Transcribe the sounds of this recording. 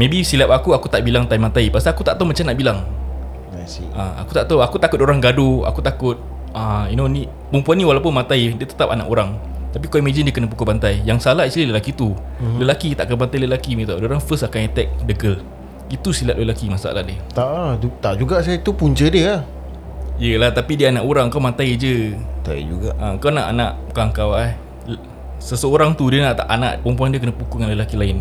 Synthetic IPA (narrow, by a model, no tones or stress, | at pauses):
mẽbisilap̚akuakut̪aʔbilaŋt̪ajmãt̪aipast̪akut̪a̰ʔt̪awmat͡ʃamnaʔbilaŋ | nasḭaa̰ku̥t̪aʔt̪awakut̪akʊt̪oɾaŋɡadua̰kut̪akʊt̪̚ | ainoni | pəmpuanːiwalawpʊnmãt̪aidiət̪ə̥t̪ap̚a̰na̰ʔoɾaŋ | t̪ap̬ikɔimad͡ʒəndiəkənəpukobant̪ajjaŋsalaisliləlakit̪u | ləlakit̪aʔakanbant̪ajləlakimet̪awdoɾaŋfəsakaŋɛt̪ɛk̚dəɡəl | it̪usilaʔ̚ləlakimasa̰la̰hdiət̪aʔut̪aʔd͡ʒuɡaʔsat̪upuɲt͡ʃədiəa | ijəlaht̪apidiəanãʔoɾaŋŋkawmant̪ajd͡ʒət̪a̰ḭd͡ʒṵɡaʔaəkawnaʔa̰naʔukaŋkawa | səsəoɾaŋt̪udiənaʔt̪aʔana̰ʔpəɔmpuandiəkənəpukuŋanləlakilaɪn